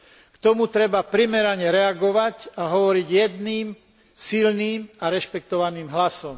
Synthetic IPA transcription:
kt̪ɔmut̪ɾɛbapɾimɛɾaɲɛɾɛaɡɔʋacaɦɔʋɔɾiɟjɛd̪niːm | silniːmaɾɛʃpɛkt̪ɔʋaniːmɦlasɔm

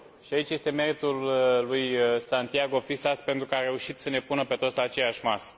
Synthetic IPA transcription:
ʃiait͡ʃje̞st̪e̞me̞ɾit̪ulːujsant̪iaɡo̞fisaspe̞nt̪ɾukəaɾe̞uʃit̪səne̞punəpe̞t̪ot̪slaːt͡ʃe̞jaʃʲmasə̥

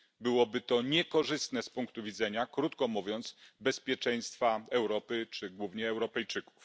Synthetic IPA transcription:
bɘwɔbɘt̪ɔɲɛkɔʐɘst̪nɛspuŋkt̪uvʲid̪zɛɲakɾut̪kɔmuvʲjɔnt̪sbɛspʲjɛt͡ʂɛj̃st̪faɛwɾɔpɘt͡ʂɘɡwuvɲɛːwɾɔpɛjt͡ʂɘku̥f

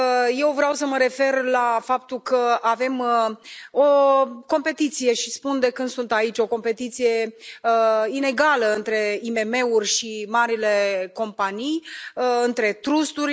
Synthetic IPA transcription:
je̞wvɾawsəməɾe̞fe̞rlafap̚t̪ulkəave̞m | oko̞mpe̞t̪it̪sije̞ʃispund̪e̞kɨnd̪sunt̪ait͡ʃʲo̞ko̞mpe̞t̪it̪sije̞ | ine̞ɡaləɨnt̪ɾe̞ime̞me̞urʲʃimaɾile̞ko̞mpanijɨnt̪ɾe̞t̪ɾust̪uɾʲ

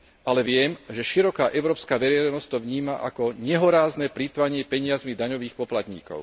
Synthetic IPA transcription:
alɛʋɪɛmʒɛʃiɾɔkaːʔɛʊɾɔːpskaːʋɛɾɛjnɔsct̪ɔʋɲiːmaʔa̰kɔɲɛɦɔɾaːznɛːpɾit̪ʋaɲɪɛpɛɲɪazmid̪aɲɔʋiːxpɔplat̪ɲḭːkɔ̰ʊ

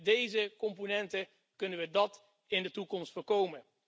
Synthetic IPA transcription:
dejzəkɔmponɛntə | kɵnəʋədɑt | ɪndətukɔmstfoːɹkowmən

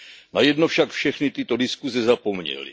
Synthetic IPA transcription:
najɛdnofʃakfʃɛxnɪt̪ɪt̪o̞dɪskuzɛzapo̞mɲɛ̰lḭ

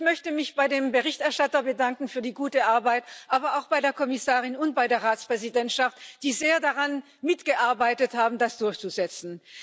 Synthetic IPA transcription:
çmœçtəmɪçb̥aɪdeːmbəʁɪçtɛɐʃtatɐbədaŋkŋ̩fyːɐdiːɡuːtəʔaɐbaɪtʔaːbɐaʊxb̥aɪdeːɐkʰɔmɪsaːʁɪnʊntb̥aɪdeːɐʁaːt͡spʁ̥ɛzidɛntʃaftd̥iːzeːɐdaʁan | mɪtɡ̥əʔaɐbaɪtəthaːbm̩dasd̥ʊɐçt͡suzɛt͡sn̩

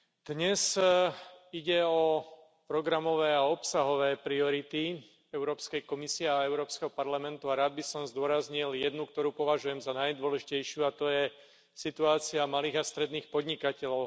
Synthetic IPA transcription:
d̪̥ɲɛz | iɟɛɔ | pɾɔɡɾamɔʋɛːaɔpsaɦɔʋɛːpɾiɔɾit̪i | ɛʊɾɔːpskɛjkɔmisiɛaɛʊɾɔːpskɛɦɔpaɾlamɛnt̪uaɾaːd̪̚bisɔmzd̪ʊɔɾazɲiljɛd̪nukt̪ɔɾuːpɔʋaʒujɛmzanajd̪ʊɔlɛʒicɛjʃɪuat̪ɔjɛ | sit̪uaːt͡siamaliːɣast̪ɾɛd̪niːxpɔd̪ɲikacɛʎɔʊ

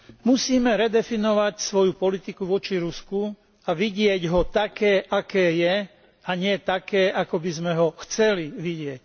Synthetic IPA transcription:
musiːmɛɾɛd̪ɛfinɔʋacsʋɔjupɔlit̪ikuʋɔt͡ʃiɾusku | aʋiɟɪɛɟɦɔt̪akɛːʔakɛːjɛ | aɲɪɛt̪akɛːʔakɔbizmɛɦɔxt͡sɛliʋiɟɪɛc

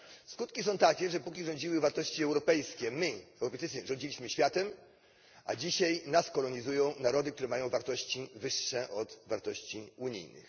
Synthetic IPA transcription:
skut̪kʲisɔ̃w̃t̪akʲɛʐɛpukʲiʐɔɲd͡ʑiwɘvaɾt̪ɔɕt͡ɕiɛwɾɔpɛjskʲɛmɘɛwɾɔpɛjtt͡ʃɘɛʐɔ̃ɲd͡ʑilʲiɕmɘɕfʲjat̪ɛm | ʔa̰d͡ʑiɕajnaskɔlɔɲizujɔ̃w̃naɾɔd̪ɘk̚t̪uɾɛmajɔ̃w̃vaɾt̪ɔɕt͡ɕivɘʂːɛʔɔd̪vaɾt̪ɔɕt͡ɕiuɲḭjnɘ̰x

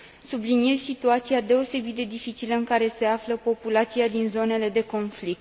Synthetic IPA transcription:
sublinije̞z̥sit̪uat̪siad̪e̞o̞se̞bit̪̚d̪e̞d̪ifit͡ʃiləɨŋkaɾe̞se̞afləpo̞pulat̪siad̪inzo̞ne̞le̞d̪e̞ko̞nflik̚t̪

